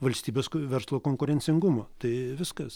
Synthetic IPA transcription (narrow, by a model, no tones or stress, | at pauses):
ʋɐlʲsʲt̪ʲiːbʲeːskʋʲɛɾslˠoːkoːŋkʊɾʲɛnʲsʲɪŋɡʊmoːt̪ɐɪʋʲɪskɐs